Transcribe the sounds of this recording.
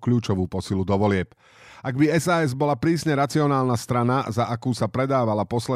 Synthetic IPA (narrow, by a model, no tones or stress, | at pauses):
kluːt͡ʃɔʋuːpɔsilud̪ɔʋɔlɪɛp | aɡbiɛzaːɛzbɔlapɾiːsɲɛɾat͡siɔnaːlˠnast̪ɾanazaʔakuːsapɾɛd̪aːʋalapɔslɛ